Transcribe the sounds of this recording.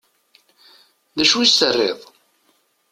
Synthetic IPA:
ðæʃuwist̪ərːḛðˤ

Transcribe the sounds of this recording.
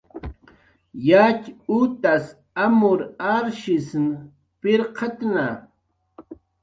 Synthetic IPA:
jat͡ʃut̪as | amʊɾaɾʃisn | pɪɾqʰat̪na

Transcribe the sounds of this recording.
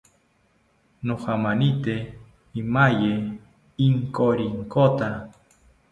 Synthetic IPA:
noχamanit̪e | imaje | iŋkoɾiŋkot̪a

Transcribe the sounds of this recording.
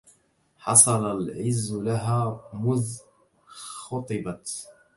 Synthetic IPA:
ħɑsˤɑlalʕɪzːlaɦaːmʊz | xʊt̪ˤɨbat̪

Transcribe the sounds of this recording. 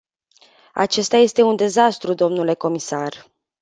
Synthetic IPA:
a̰t͡ʃe̞st̪aje̞st̪e̞und̪e̞zast̪ɾud̪o̞mnule̞ko̞misar

